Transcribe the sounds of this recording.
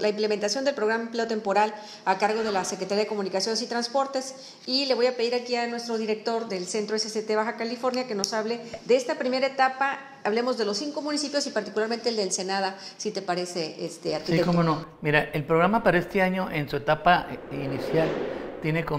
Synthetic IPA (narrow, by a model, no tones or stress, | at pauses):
laimple̞ment̪asjond̪elpɾo̞ɣ̞ɾammple̞ot̪e̞mpo̞ɾal | akaɾɣo̞ð̞e̞lasekɾet̪aɾjaðe̞komũnikasjo̞nesit̪ɾanspo̞ɾt̪e̞s | ile̞β̞o̞jape̞ð̞iɾakianwe̞st̪ɾo̞ðiɾe̞k̚t̪o̞ɾðe̞lse̞nt̪ɾoeseset̪e̞βaxakalifo̞ɾnjake̞no̞saβle̞ðeest̪apɾime̞ɾaet̪apa | aβle̞mo̞zðe̞lo̞sːiŋko̞mũnisipjo̞sipaɾt̪i̥kulaɾmẽnt̪eld̪else̞nað̞asit̪e̞paɾe̞se̞est̪eaɾksitiekomonomiɾaelpɾoɣɾamapaɾaest̪e̞aɲo̞ʔensue̞t̪apainisjalt̪jeneko